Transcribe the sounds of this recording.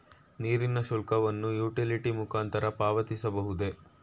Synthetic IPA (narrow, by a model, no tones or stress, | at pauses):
niːɾinɐʃulkɐʋɐnːujuːʈiliʈimukaːnt̪ɐɾɐpaːʋɐt̪isɐbɐɦud̪e̞